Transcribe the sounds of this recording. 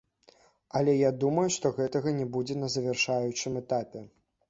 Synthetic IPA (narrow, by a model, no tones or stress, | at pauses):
ɐlʲɛjad̪umɐjuʂt̪ɔɣɛt̪ɐɣɐnʲɛbud͡zʲɛnɐzɐvʲɛrʂajut͡ʂɨmɛt̪apʲɛ